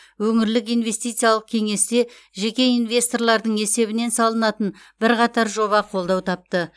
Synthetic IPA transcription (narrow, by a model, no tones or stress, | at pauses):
wɵŋɪɾlɪkijnve̞st̪ijt̪sijalˠəq̚kʲʰe̞ŋe̞st̪e̞ | ʒe̞kʲe̞invʲje̞st̪o̞rlˠɑɾd̪əɴe̞se̞βɪne̞nsɑlˠənɑt̪ən | bɪɾqɑt̪ɑɾʒo̞βɑqʰo̞lˠd̪ɑwt̪ʰɑp̚t̪ə